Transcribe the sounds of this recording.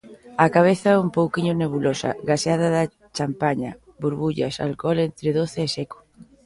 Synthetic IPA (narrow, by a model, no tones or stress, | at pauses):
akaβ̞eθaɛumpowkiɲʊneβ̞ulosa̰ɣaseaðaða | t͡ʃampaɲa | buɾβuʎa̰sa̰lkɔlent̪ɾeðoθeːsɛko̥